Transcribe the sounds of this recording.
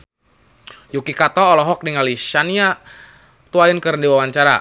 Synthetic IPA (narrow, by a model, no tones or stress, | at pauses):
jukikat̪ɔːlɔɦɔk̚diŋaliʃania | t̪uaənkəɾndiwawaɲt͡ʃaɾa̰